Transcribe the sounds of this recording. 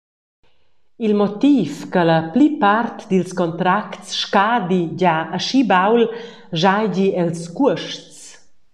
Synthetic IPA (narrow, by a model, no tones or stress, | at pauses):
ilmɔt̪iːfkələplipart̪d̪ilskɔnt̪ɾaktsʃkaːd̪id͡ʑaəʃibawl | ʒajd͡ʑiɛlskuəʃt͡s